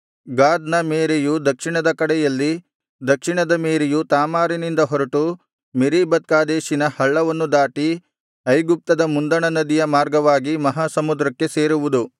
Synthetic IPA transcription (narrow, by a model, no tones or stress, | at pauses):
ɡaːd̪nɐmeːɾejud̪ɐkʂiɳɐd̪ɐkɐɽɛjɐlːi | d̪ɐkʂiɳɐd̪ɐmeːɾejut̪aːmaːɾinind̪ɐɦɔɾɐʈu | meɾibɐt̪̚kaːd̪eːʃinɐhɐɭːɐʋɐnːud̪aːʈi | ɐjɡup̚t̪ɐd̪ɐmund̪ɐɳɐnɐd̪ijɐmaːɾɡɐʋaːɡimɐɦaːsɐmud̪ɾɐkːe̞se̞ːɾuʋud̪u